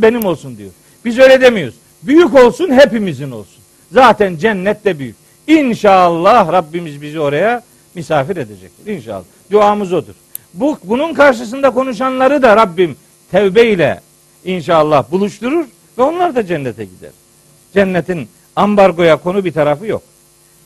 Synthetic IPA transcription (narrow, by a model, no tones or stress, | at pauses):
be̞nimo̞lˠsund̪ijo̞̰ɾ | b̥izø̞jlʲɛd̪emijoɾz | byjyco̞lˠsunɦepimizino̞lˠsun | zaːt̪ʰænd͡ʒænːɛt̪d̪ɛbyjyc | inʃalˠːɑhɾabːimizbizio̞ɾaja | mysaːfiɾed̪ed͡ʒɛ̰c̚t̪iɾinʃa̰ːlˠːahd̪uaːmɯzo̞d̪ṵɾ̥ | bubununkʰaɾʃɯs̬ɯnd̪akʰo̞nuʃ̬anlˠaɾɯd̪aɾabːim | t̪ʰævbɛilʲɛ̰ | inʃaːlˠːahbulˠuʃt̪uɾuɾ | vɛo̞nlˠaɾd̪ad͡ʒɛnːɛt̪ʰɛɟid̪æ̰ɾ̥ | d͡ʒɛnːɛt̪ʰin | ambaɾɡo̞jakʰo̞nubit̪ʰaɾafɯjo̞̰k̚